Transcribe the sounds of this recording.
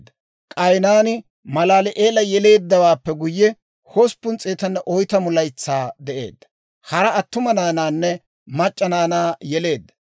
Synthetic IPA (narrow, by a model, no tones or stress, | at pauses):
d̪ːɐ̥ | kʼɐjnaːnɪ | mɐlaːlɛʔeːlɐjɛle̞ːd̪ːɐwaːpːɛɡʊjːɛ | hospːʊnt͡sʼeːt̪ɐnːɐʔɔjt̪ɐmʊlɐjt͡sːaːd̪ɛʔe̞̰ːd̪ːɐ̥ | hɐɾɐɐt̪ːʊmɐnaːnaːnːɛ | mɐt͡ʃʼːɐnaːnaːjɛle̞ːd̪ːɐ̥